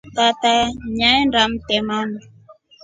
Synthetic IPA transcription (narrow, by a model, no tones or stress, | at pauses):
tataɲaɛndam̩tɛmami